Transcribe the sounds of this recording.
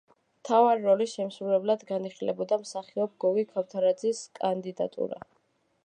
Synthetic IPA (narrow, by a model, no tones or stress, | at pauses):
mt̪ʰavaɾiɾɔliʃɛmsɾulɛblad̪ɡaniχilɛbɔd̪amsaχiɔb̚ɡɔɡikʰaft̪ʰaɾad̪ziskʼand̪id̪a̰t̪ʼṵɾa̰